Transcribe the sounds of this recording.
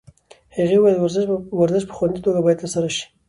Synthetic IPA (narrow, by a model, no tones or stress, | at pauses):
haɣiwɑjad̪wɾzwaɾzɪʃpə̥xwand̪it̪oɡabɑjad̪t̪əɾsaɾaʃi̥